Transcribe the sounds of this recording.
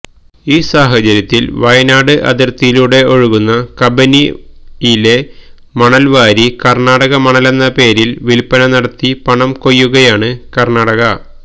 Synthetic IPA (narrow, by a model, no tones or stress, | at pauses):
iːsaːɦɐt͡ɕɐɾjɐt̪ːilʋɐjnaːɽɨʔɐ̰d̪ɐɾt̪ːijiluːɽe̞ʔo̞ɻuɣunːɐkɐbɐnijile̞ | mɐɳɐlʋaːɾikɐrɳaːɽɐɣɐmɐɳɐlenːɐpe̞ːɾilʋilpːɐnɐnɐɽɐt̪ːipɐɳɐmko̞jːuɣɐjaːɳɨkɐrnaːɽɐɣɐ